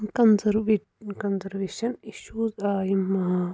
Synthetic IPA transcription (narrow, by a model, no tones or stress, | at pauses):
kɐnzɐɾʋeʈkɐnzɐɾʋeːʃɐniʃuːzaːjimːɐɦa